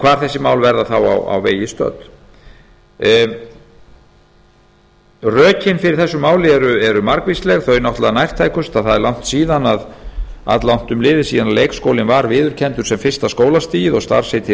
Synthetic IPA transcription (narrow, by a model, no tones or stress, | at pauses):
kʰvaːɾ̥θɛsːɪmaːwlvɛɾðaθawa̰wa̰wveːjɪst̪œ̰t̪ | rœːcɪnfɪɾɪɾ̥θɛsːʏmaːwlɪɛɾʏɛɾʏmaɾkvislɛɣθœɥnɔwht̪laðnajr̥t̪ʰaːjkʏst̪aðθaðɛɾlawn̥t̪siːðanað | a̰t̪lawn̥t̪ʏmlɪːðɪsiːðanalejkskoːwlɪnvaɾvɪːðʏɾ̥cʰɛnt̪ʏɾ̥sɛmfɪr̥st̪askoːwlast̪iːjɪðɔɣst̪a̰ɾ̥set̪ʰɪ